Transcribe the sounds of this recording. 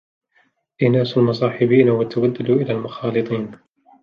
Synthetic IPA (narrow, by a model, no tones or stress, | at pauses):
ʔɪnaːsalmɑs̬ˤɑːħɪbiːnawat̪ʰawad̪ːalʔɪlaːlmʊxɑːlɨt̪ˤiːn